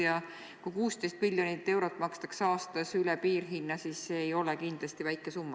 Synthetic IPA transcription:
jɑ | kujkuːst̪e̞jst̪milʲjo̞nit̪ːe̞wɾo̞t̪ːˑmɑkst̪ɑksɑːst̪ɑsylɛpiːrɦinːɑsiːsːe̞ːjo̞lɛkind̥̪lɑst̪ivæjkːˑe̞sumːɑ

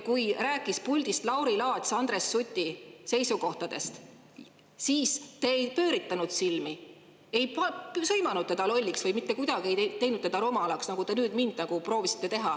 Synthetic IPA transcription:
kujɾæːkˑːispulʲd̪̥ist̪lɑwɾilɑːd̪ʲsɑnd̪re̞sːut̪ʲːˑise̞jsuko̞ht̪ɑd̪e̞̰st̪ | siːst̪e̞ːejpø̞ːɾit̪ːˑɑnud̪̥silmi | e̞jpɑpsɤjmɑnud̪̥̚t̪ːe̞d̪̥ɑlo̞lʲːiksvɤjmit̪ːe̞kujd̪̥ɑɡ̥ie̞jt̪e̞jnud̪̥̚t̪ed̪ɑɾomɑlɑksnɑɡ̥ut̪e̞nyːd̪mind̪̥nɑɡ̥upro̞ːvisi̥t̪ːˑe̞t̪e̞ɦɑ

